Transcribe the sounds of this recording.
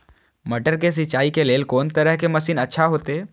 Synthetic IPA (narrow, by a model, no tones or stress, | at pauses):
mɐʈəɾkes̬ɪt͡ʃaːikeleːlkɔːnt̪əɾəɦkemɐsiːnɐtːʃʰaɦoːt̪e